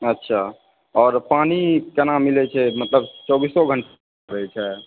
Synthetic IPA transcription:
ətːʃʰa | ɔːɾpaːnikənamilɛt͡ʃʰɛmət̪ləb̚t͡ʃɔːbisːɔɡʱəɳʈ | ɾəɦɛt͡ʃʰɛ

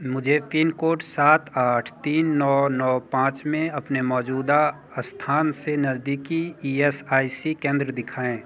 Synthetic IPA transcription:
mʊd͡ʒʱepʰinkoːʈsaːt̪ʰaːʈʰt̪iːnːɔːnɔːpãːt͡ʃmẽɐpnemɔːd͡ʒuːd̪a | st̪ʰaːnsenɐzd̪iːkiiesaːisikẽːnd̪ɾəd̪ɪkʰaːẽː

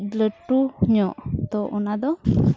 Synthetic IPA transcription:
ləʈuhɲɔʔt̪ɔʔɔnad̪ɔ

